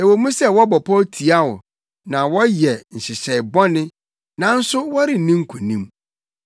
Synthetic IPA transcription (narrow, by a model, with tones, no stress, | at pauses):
e˨wo˨˦mũ˦sɛ˦wɔ˦bɔ˨pʰɔ˦tʰi˨a˦wɔ̰˨ | nã˨wɔ˦jɛ˨n̩˨ɕɪ˨ɕɛ˨ɪ˨bɔ˦nɪ̃˦ | nã˨n̩˦sʊ˦wɔ˦ɾɪ˨nĩ˦ŋ̩˦kʰu˨nĩ˦m